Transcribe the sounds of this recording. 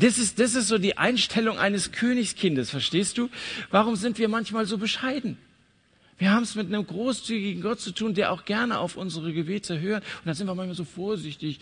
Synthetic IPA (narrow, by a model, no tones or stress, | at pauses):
d̥asɪstd̥as̬ɪstz̥oːdiːʔa̰ɪnʃtʰɛlʊŋʔa̰ɪnəskʰøːnɪçskʰɪndəsfɛɐʃteːst̚d̥uːvaʁ̞ʊmzɪntv̥iːɐmançmaːlzoːbəʃaɪdn̩ | viːɐɦaːbm̩ɛsmɪt̚nəmɡʁoːst͡syːɡɪɡŋ̩ɡɔt̚t͡sutʰuːndeːɐʔa̰ʊxɡ̥ɛɐnəʔa̰ʊfʔʊnzəʁəɡəbeːtʰəɦøːɐtʊntd̥anzɪntviɐmançmaːlzoːfoːɐzɪçtɪç